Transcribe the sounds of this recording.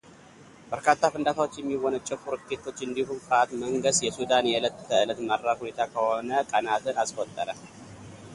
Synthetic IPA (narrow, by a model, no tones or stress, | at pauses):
b̥əɾkʰat̪ʰːafɨnd̪at̪ʰawo̞t͡ʃːjɛmːiwɔnət͡ʃʼɛfuɾt̪ʰet̪ʰːo̞t͡ʃːɨnd̪iɦumfɾat̪məŋɡəst̪jɛsud̪anjɛɨlət̪ʰːəɨlət̪maɾːakhunet̪ʰakʰəhonəkʼənat̪ɨnaskʼot̪ʼːəɾə